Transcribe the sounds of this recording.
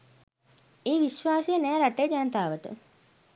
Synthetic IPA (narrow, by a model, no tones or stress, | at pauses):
eːʋiʃʋaːsijənɛːɾaʈejəd͡ʒanət̪aːʋəʈə̰